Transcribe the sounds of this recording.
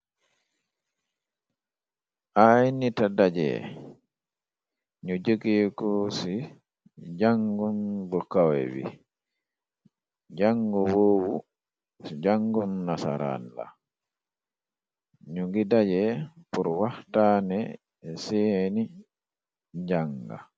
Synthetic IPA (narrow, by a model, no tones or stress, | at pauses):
ʔajnitadad͡ʒɛ̰ | ɲud͡ʒəɡikɔsi | d͡ʒaŋɡunbɔkːawɛ̰wḭ | d͡ʒaŋɡɔwowu | sid͡ʒaŋɡɔnːasa̰ɾa̰nla̰ | ɲuŋɡidad͡ʒɛpuɾwahtanɛ | seni | d͡ʒaŋɡa̰